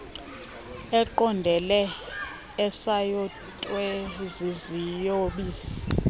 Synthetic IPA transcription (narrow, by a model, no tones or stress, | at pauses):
ɛǃɔndʱɛlɛː | sajɔ | tʼwɛzizijoɓiːsi̥